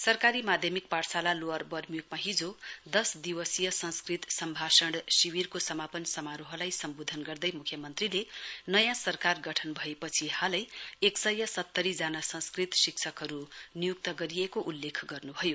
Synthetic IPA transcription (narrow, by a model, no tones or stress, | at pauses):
sʌrkaɾimad̪ʱjʌmik̚parsalaloarbʌrmijukmaɦid͡zod̪ʌsd̪iwʌsijʌsʌnskrit̪sʌmbʱasʌɽsiwirkosʌmapʌnsʌmaɾoɦʌlajsʌmbod̪ʱʌnɡʌrd̪ʌjmukʰjʌmʌnt̪rilenʌjãsʌrkarɡʌʈʰʌnbʱʌepʌt͡sʰihalʌjeksʌjːʌsʌt̪ːʌɾid͡zanasʌ̃nskrit̪siksʰʌkɦʌɾunijuk̚t̪ʌɡʌɾijekoʔulːekʰɡʌrnubʱʌjo